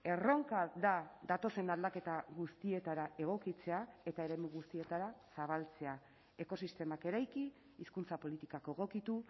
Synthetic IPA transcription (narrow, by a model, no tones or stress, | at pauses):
e̞ro̞ŋkaðaðat̪o̞se̞nald̪ake̞t̪aɣust̪ie̞t̪aɾae̞ɣ̞o̞kit͡se̞ae̞t̪aeɾe̞muɣ̞ust̪ie̞t̪aɾasaβ̞alt͡se̞a | e̞ko̞sist̪e̞make̞ɾajkiː | skunt͡sapo̞lit̪ikakoeɣ̞o̞kit̪u